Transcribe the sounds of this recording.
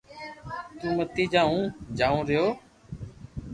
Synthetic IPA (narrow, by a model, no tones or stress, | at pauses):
t̪ũːmət̪iːd͡ʒaːũːd͡ʒaːũːɾɪjoː